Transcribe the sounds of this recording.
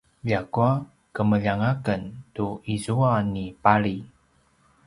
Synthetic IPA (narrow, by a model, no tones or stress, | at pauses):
ʎakua | kəməʎaŋakəntuizuanipaɭi